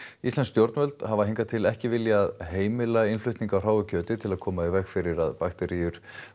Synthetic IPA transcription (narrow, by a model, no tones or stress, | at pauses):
islanst̪jowɾt̪mœlt̪havaɦiŋkat̪ʰɪlɛhcɪvɪljaːðɦeːjmɪlaɪnflʏɥht̪niŋkawr̥aːwvʏcʰœːt̪ɪt̪ʰɪlaðkʰɔːmaɪvɛxfɪɾɪɾaðpaxt̪ɛɾijʏɾ̥